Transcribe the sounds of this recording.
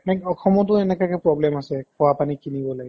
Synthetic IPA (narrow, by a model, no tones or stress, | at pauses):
nakɔxʰɔmɔtʊɛnɛkakɛpɹɔblɛmasɛkɔwapanikinibɔlaɡɛ